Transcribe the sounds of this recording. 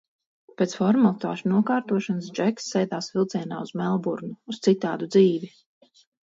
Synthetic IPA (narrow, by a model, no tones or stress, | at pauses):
peːt̪sfɔɾmalˠt̪a̰ːʃunuɔkaːɾt̪uɔʃanəsd͡ʒɛksːɛjd̪aːsvilˠt̪siɛna̰ːuz̥mɛlˠbuɾnuust̪sit̪a̰ːd̪ud̪ziːvi